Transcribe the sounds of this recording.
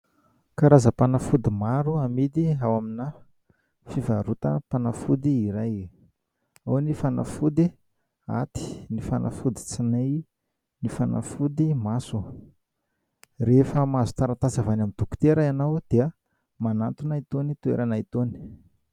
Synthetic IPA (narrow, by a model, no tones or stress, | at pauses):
kaɾazəpanafud̪imaɾuamid̪iawamina | fivaɾut̪ə̰panafud̪iːɾaj | awnifana̰fud̪i | a̰t̪i̥nifanʔa̰fud̪i̥t͡sinaj | nifana̰fud̪imasu | refəmazu̥t̪aɾat̪azavanamind̪uku̥t̪eɾaanawd̪̥eə | manant̪unait̪onit̪uḛɾanait̪oni̥